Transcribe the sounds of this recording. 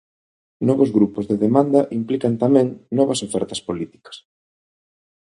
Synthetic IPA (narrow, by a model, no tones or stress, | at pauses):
nɔβozɣɾupozðeðemand̪ɐʔimplikɐnt̪amɛ̃ŋnɔβɐsofɛɾt̪ɐspolit̪i̥kɐ̥s